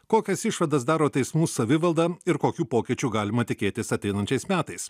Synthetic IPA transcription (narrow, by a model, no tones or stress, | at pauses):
koːkʲɛsɪʃʋɐd̪ɐsd̪ɑːɾoːt̪ʲɛɪsmuːsɐʋʲɪʋɐlˠd̪ɐɪɾkoːkʲuːpoːkʲɪt͡ʃʲuːɡɑːlʲɪmɐt̪ʲɪkʲeːt̪ʲɪsɐt̪ʲɛɪnɐnʲt͡ʃʲɛɪsmʲæːt̪ɐɪs